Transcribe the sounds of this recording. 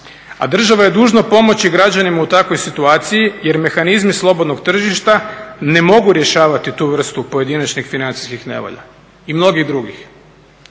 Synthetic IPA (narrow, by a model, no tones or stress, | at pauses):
a̰d̪r̩ʒaʋaje̞d̪uːʒnopo̞mo̞t͡ɕiɡɾad͡ʑanimaut̪akʋo̞jsit̪uaːt̪sijije̞ɾme̞xanizmislˠo̞bod̪no̞ɡt̪r̩ʒiʃt̪ane̞mo̞ɡuɾje̞ʃaːʋat̪it̪uʋr̩st̪upo̞je̞d̪inat͡ɕnixfinant̪si̥skixne̞̰ʋo̰ʎa̰ | imno̞ɡiɣd̪ɾuɡix